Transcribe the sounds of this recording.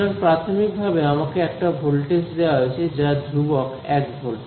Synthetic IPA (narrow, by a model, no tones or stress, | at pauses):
aɾpɾat̪ʰomik̚bʱabeamakeɛk̚ʈabʱolʈesd̪ewaɦojt͡ɕʰed͡ʑaad̪ʱɾubɔk | ɛkbʱol